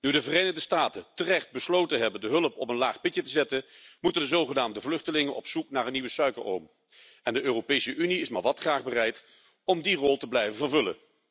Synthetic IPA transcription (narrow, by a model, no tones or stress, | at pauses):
nydəvərejnəχdəstaːtətərɛχt̚bəslowtənɦɛbəndəɦɵləpɔpənlaːχpɪtjətəzɛtənmutəndəzowχənaːmdəvlɵχtəlɪŋənʔɔ̰psuknaːɹənːiʋəsœɥkəɹo̰wm | ɛndəʔøːropejsəʔyniɪsma̰ːɹʋɑtχraːχbərɛjt | ɔmdirɔlˠtəblɛjvəvərvɵlə̰n